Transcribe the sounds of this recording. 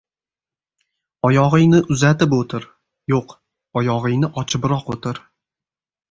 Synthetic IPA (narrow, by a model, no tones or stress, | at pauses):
ɒjɒʁɨjnɪʔʊzat̪ɪpot̪ʰɪɾ | joq | ɒjɒʁɨjnɪʔɒt͡ʃʰɪbɾɒqot̪ɪɾ